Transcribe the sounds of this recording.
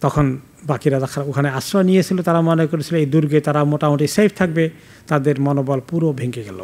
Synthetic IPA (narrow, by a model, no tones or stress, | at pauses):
t̪ɔkʰɔn | bakiɾaɾakʰaɾokʰaneasɾɔnijet͡sʰilot̪aɾamɔnɔjkoɾetʰiloejd̪uɾɡet̪aɾamoʈamoʈisejpʰt̪ʰak̚be | t̪ad̪eɾmɔnobɔlpuɾobʱeŋkeɡɛlo̰